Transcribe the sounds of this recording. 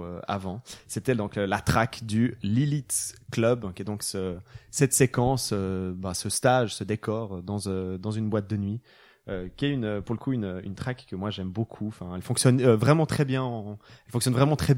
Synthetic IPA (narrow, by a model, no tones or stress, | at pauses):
ø̰a̰vɑ̃set̪ɛd̪ɔ̃klat̪χakd̪ylilit̪klœbkʲɛd̪ɔ̃ksəsɛt̪sekɑ̃søbasəst̪aʒsəd̪ekɔːʁd̪ɑ̃zød̪ɑ̃zynbwat̪̚d̪ənɥi | økʲiɛynøpuʁləkuynøy̰nt̪χakːəmwaʒɛmbokʰuɑ̃fɛ̃ɛlfɔ̃ksjɔnøvʁɛmɑ̃t̪χɛbjɛ̃ɑ̃ɛlfɔ̃ksjɔnvʁɛmɑ̃t̪χɛ